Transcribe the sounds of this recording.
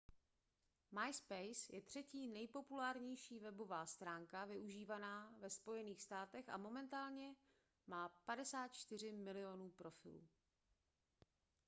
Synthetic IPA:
majspɛjsjɛt̪r̝̥ɛciːnɛjpo̞pulaːɾɲɛjʃiːvɛbo̞vaːst̪ɾaːŋkavɪʔuʒiːvanaːvɛspo̞jɛniːxst̪aːt̪ɛxa̰mo̞mɛnt̪aːlɲɛ | maːpadɛsaːt̪t͡ʃt̪ɪr̝ɪmɪlɪo̞nuːpɾo̞fɪ̰lṵː

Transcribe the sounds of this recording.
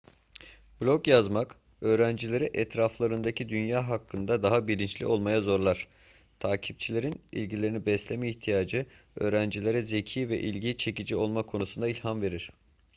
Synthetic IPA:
b̥lʲokjazmak | ø̞ːɾænd͡ʒilʲe̞ɾiʔɛt̪ɾaflˠaɾɯnd̪acʰid̪ynjaːɦakʰːɯnd̪ad̪aɦabiɾint͡ʃlʲḭo̞lˠmajazo̞ɾlˠaɾ̥ | t̪ʰaːcʰip̚t͡ʃʰilʲe̞ɾinḭlʲɟilʲe̞ɾinibɛslʲemɛiçt̪ʰijaːd͡ʒɯ | øːɾænd͡ʒilʲe̞ɾɛze̞cʰiːvɛʔilʲɟit͡ʃʰe̞cid͡ʒio̞lˠmakʰo̞nusund̪ailʲhamve̞ɾiɾ̝̥

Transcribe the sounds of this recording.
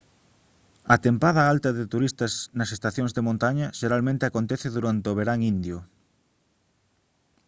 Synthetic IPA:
ɐt̪empað̞ɐalt̪ɐðet̪uɾist̪ɐsnɐsest̪aθjõŋzðemõnt̪aɲɐʃeɾalmẽnt̪eakont̪eθeðuɾant̪eoβeɾaŋind̪jʊ

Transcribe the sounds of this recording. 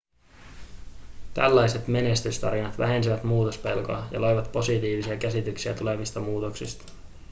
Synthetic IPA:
t̪æ̰lːɑjse̞t̪me̞ne̞st̪yst̪ɑɾinɑt̪ʋæ̰ɦe̞nsiʋæt̪muːt̪o̞spe̞lko̞ɑjɑ̰lo̞jʋɑt̪po̞sit̪iːʋisiɑkæsit̪yksiæ̰t̪ule̞ʋist̪ɑmuːt̪o̞ksist̪ɑ̥

